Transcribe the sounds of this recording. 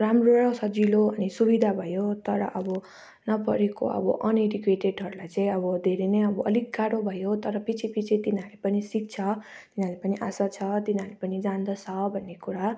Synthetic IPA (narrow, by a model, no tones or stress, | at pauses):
ramroasʌd͡ziloʌnisubid̪ʱabʱʌjot̪ʌɾʌ̰ʔʌbʌ | nʌpʌɾeko̰ʌ̰bʌ̰ʔʌniɾikeʈeɖɦʌɾulajt͡sãĩʌbʌd̪ʱeɾenejʌbʌʌlikːaɽobʱʌjot̪ʌɾʌpit͡sʰipit͡sʰit̪inalepʌnisik̚t͡sʰʌ | t̪inalepʌniʔasat͡sʰʌt̪inɦalepʌnid͡zand̪ʌt͡sʰʌbʱʌnːekuɾa